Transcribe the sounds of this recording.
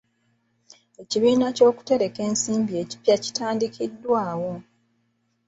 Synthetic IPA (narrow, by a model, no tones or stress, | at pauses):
e̞ciβiːnaco̞ːku̥te̞ɾe̞ke̞ːnsiːmbie̞ci̥pjaci̥taːndikidːwaːwo̞